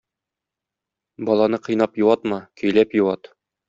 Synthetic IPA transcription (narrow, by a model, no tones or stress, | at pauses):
bɒlˠɑnɤqɤ̆jnɑpjŭwɑt̪mɑkɵ̆jlæpjŭwɑt̪